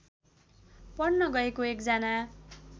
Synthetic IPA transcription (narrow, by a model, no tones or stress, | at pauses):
pʌrnʌɡʌekoekd͡zana